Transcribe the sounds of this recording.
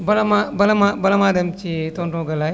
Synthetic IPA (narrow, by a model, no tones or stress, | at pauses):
bɐlɐmabɐlɐmabɐlɐmaːd̪ɐmt͡ʃit̪oɳɖõːɡɐla